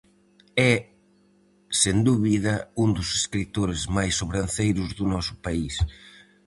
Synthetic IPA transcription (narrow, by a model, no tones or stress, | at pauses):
ɛ | send̪uβiðɐund̪ʊseskɾit̪oɾezmajsːoβɾanθejɾʊzðʊnɔsʊ̥pais